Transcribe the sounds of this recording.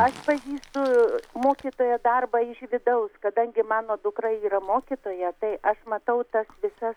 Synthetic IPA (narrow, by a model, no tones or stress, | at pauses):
ɐʃpɐʒʲiːst̪ʊmoːkʲit̪oːjɛd̪ɐrbɑɪʃʋʲɪd̪ɐʊskɐd̪ɐŋʲɡʲɪmɑːnoːd̪ʊkɾɐɪiːɾɐmoːkʲit̪oːjɛt̪ɐɪʔɐʃmɐt̪ɐʊt̪ɐsʋʲɪsɐs